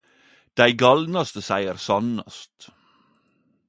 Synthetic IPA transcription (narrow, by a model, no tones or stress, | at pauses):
d̪̥æɪɡɑlnɑst̪əsæɪəɾsɑnɑ̰st̪